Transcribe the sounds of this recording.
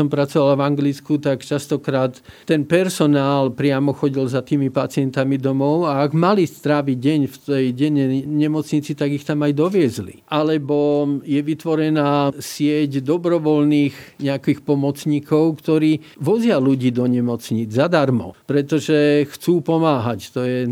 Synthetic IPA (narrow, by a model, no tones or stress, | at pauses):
ɔmpɾat͡sɔʋalavaŋɡlit͡skut̪akt͡ʃast̪ɔkɾaːt̪ːɛnpɛɾsɔnaːlpɾɪamɔxɔɟilzat̪iːmipat͡sɪɛnt̪amid̪ɔmɔʊaːɡmalist̪ɾaʋiɟɛɲft̪ɛjɟɛɲɛɲɛmɔt͡sɲit͡sit̪aɡixt̪amajd̪ɔʋɪɛzlḭʔalɛbɔjɛʋit̪ʋɔɾɛnaːsɪɛɟd̪ɔbɾɔʋɔlniːxɲɛakixpɔmɔt͡sɲikɔʊkt̪ɔɾiː | ʋɔzɪaluɟiːd̪ɔɲɛmɔt͡sɲid͡zzad̪aɾmɔ̰pɾɛt̪ɔʒɛxt͡suːpɔmaːɦact̪ɔjɛ